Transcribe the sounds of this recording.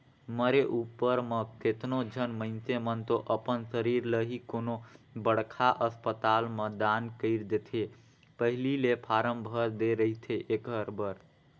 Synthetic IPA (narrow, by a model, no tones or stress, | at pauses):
məɾeʔupːəɾmeket̪nod͡ʒʱənməɪnt̪emənt̪oʔəpənsəɾiɾləɦikonobəɽkʰaʔəspət̪alməd̪ankəɪɾd̪et̪ʰe | pəɦililepʰaɾəmbʱəɾd̪eɾəɦit̪ʰeʔekəɾbəɾ